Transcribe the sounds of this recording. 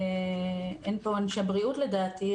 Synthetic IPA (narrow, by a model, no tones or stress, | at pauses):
enpo̞anʃabʁiutledaːt̪i